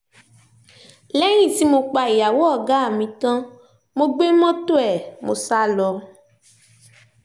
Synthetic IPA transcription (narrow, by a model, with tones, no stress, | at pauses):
lɛ˦j̃ĩ˦˨ti˧mo˧k͡pa˧i˨ja˨wo˦ɔ˦˨ɡa˦a˦˨mĩ˧tã˦ | mo˧ɡ͡be˦mɔ̃˦to˦ɛ˨mo˧sa˦lɔ˧